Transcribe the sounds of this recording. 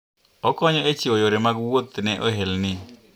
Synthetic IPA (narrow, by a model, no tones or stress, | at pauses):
ɔkɔɲɔet͡ʃiojoɾemaɡwot̪nɛʔo̰ɦelnɪ